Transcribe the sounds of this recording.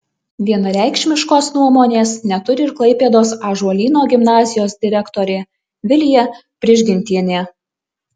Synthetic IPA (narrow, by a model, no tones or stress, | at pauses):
ʋʲiɛnɐɾʲæˑɪkʃʲmʲɪʃkoːsnuɔmoːnʲeːsnʲɛt̪ʊɾʲɪɪɾklˠɐɪpʲeːd̪oːsɑːʒuɔlʲiːnoːɡʲɪmnɑːzʲɪjoːsd̪ʲɪɾʲɛkt̪oːɾʲeː | ʋʲɪlʲjɛ | pʲɾʲɪʒʲɡʲɪnʲt̪ʲiɛnʲeː